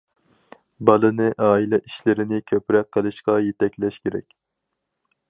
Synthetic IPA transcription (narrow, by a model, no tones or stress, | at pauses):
bɑlˠɨnɨʔɑːilɛʔiʃlɪɾɪnɪkʲʰøpɾɛk̚qʰːəlˠɨʃqɑjet̪ʰɛkʲlɛʃkʲeɾɛ̰kʲ